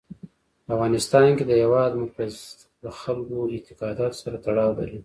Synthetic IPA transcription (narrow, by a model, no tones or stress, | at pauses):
paafɣɑnɪst̪ɑnked̪əjawɑd̪mʊaz | d̪əxalkoɪt̪ɪkɑd̪ɑt̪o̥saɾat̪aɽɑwd̪a̰li